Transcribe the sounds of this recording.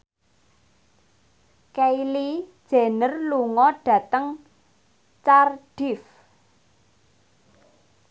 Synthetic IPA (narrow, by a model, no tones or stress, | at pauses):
kɛilid̥ʒ̥a̤nərluŋɔɖ̥ä̤t̪əŋ | t͡ʃarɖ̥ɪf